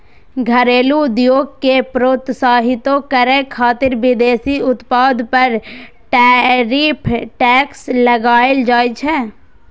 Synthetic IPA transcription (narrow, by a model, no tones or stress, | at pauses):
ɡʱɐɾeːluʊd̪joːɡ̚kepɾoːt̪saːɦɪt̪okəɾẽkʰaːt̪ɪɾʋɪd̪eːsiʊt̪paːd̪pɐɾ | ʈːɾipʰʈɛːkslɐɡaːeld͡ʒaːet͡ʃʰɛː